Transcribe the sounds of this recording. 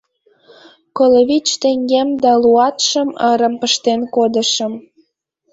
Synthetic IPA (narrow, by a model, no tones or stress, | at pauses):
koloβit͡ɕt̪ĕŋɡemd̪ɑluɑt̪ʃəməɾə̆mpəʃt̪enkod̪ə̆ʃəm